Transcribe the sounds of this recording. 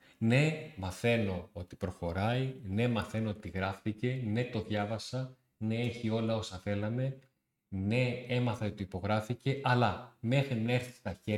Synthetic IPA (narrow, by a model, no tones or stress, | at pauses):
ne̞mɐθe̞no̞ot̪i̥pɾo̞xo̞ɾɐine̞mɐθe̞no̞ot̪iɣɾɐfθice̞ne̞t̪o̞ðʝɐvɐsɐ | ne̞eçio̞lɐo̞sɐθe̞lɐme̞ | ne̞emɐθɐiot̪iipo̞ɣɾɐfice̞ʔɐlɐme̞xɾinɐeɾθi̥st̪ɐçe